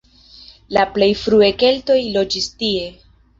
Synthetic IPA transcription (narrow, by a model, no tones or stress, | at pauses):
laple̞jfɾueke̞lto̞jlo̞d͡ʒistie̞